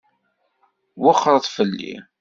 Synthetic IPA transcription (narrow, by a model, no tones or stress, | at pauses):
wəχːəɾˤðˤfəlːḭ